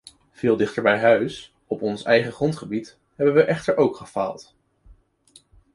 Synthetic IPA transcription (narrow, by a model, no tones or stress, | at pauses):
v̥ɪːlˠdɪχtəɹbɛjɦœɥs | ɔpɔnsɛjχəχrɔntχəbit | ɦɛbənʋəʔɛχtəɹʔowkχəfa̰ːlˠt